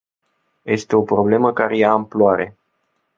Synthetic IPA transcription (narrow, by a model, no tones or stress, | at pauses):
je̞st̪e̞o̞pɾo̞ble̞məkaɾe̞jaːmploaɾe̞